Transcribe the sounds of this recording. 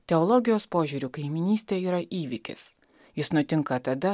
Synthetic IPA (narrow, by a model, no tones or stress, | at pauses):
t̪ʲɛɔlˠɔɡʲɪjoːspoːʒʲuːɾʲukɐɪmʲɪnʲiːsʲt̪ʲeːiːɾɐʔiːʋʲɪkʲɪ̰s | jɪsnʊt̪ʲɪŋkɐt̪ɐd̪ɐ